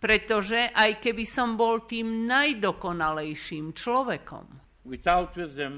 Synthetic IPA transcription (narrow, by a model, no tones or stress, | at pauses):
pɾɛt̪ɔʒɛʔajkɛbisɔmbɔlt̪iːmnajd̪ɔkɔnalɛjʃiːmt͡ʃlɔʋɛkɔ̰m | wɪθaʊtwɪzdə̃m